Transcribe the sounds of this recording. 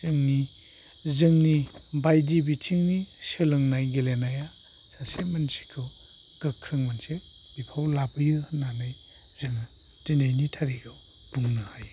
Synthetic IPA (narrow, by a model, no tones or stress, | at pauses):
zɯŋni | zɯŋnibajdibitʰiŋnisɯlɯŋnajɡelenaja | sasemansi̥kʰɯ | ɡ̥ɯkʰːɾɯŋmanse | bipʰawlabɯjɯnanaj | z̥ɯŋ | tinajnitʰaɾiɡɯ | b̥uŋnɯhaj